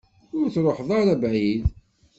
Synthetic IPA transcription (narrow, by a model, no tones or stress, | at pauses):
ʊɾθɾˤoħðˤɑɾæbʕið